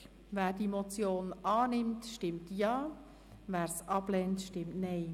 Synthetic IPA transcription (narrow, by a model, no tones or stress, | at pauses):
ʋæːɾdimot͡sjoːnʔɑːnɪmtʃtɪmtjɑː | væːɾsʔɑb̥lɛntʃtɪmtnɛɪ